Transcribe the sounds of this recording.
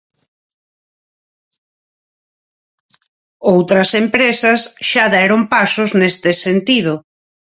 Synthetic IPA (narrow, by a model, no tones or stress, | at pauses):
owt̪ɾɐsempɾesɐsʃaðɛɾompasʊznest̪ɪsent̪iðʊ